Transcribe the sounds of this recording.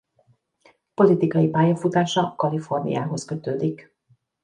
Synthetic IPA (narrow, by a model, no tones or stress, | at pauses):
po̞lit̪ikɒjipaːjɒfut̪aːʃɒkɒlifo̞rnḭja̰ːɦo̞skø̞t̪øːd̪ik